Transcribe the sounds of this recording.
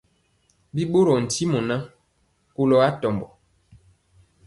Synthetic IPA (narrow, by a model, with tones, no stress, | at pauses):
bi˦ɓo˦ɾɔ˨n̩˨ti˦mɔ˨na˦ | ko˦lɔ˨a˦tɔ˨mbɔ˨